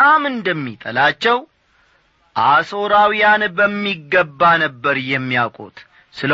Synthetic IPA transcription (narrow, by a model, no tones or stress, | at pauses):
amɨnd̪əmːit̪ʼə̰lat͡ʃːɛw | ʔaso̞ɾawijanbəmːiɡːəbːanəbːəɾjɛmːijakʼo̰t̪ʼ | sɨl